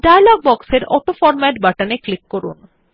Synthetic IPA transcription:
ɖajalɔɡ̚bɔkseɾɔ̰ʈofɔɾmɛʈbaʈaneklikːoɾṵn

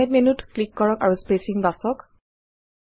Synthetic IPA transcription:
ɛt̚minutklikːɔɹɔkaɹuspesiŋbasɔk

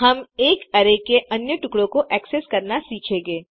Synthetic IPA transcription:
ɦɐmeːkɐɾekeʔɐnjəʈʊkɽõkoʔɛːkseskɐɾnasiːt͡ʃʰẽːŋɡeː

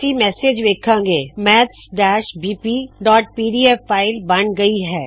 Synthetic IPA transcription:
iːmɛːseːd͡ʒʋeːkʰãːɡeːmɛːt̪sɖɛːʃbiːpiːɖɔːʈ̚piːɖiːɛfːaːɪlbɐɳɡɐiɦɛː

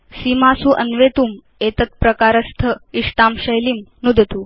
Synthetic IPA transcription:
simasuːʔənʋeːt̪uːm | et̪ət̪̚pɾəkaːɾəst̪ʰəiʂʈaːmɕəjlimnud̪ʱət̪uː

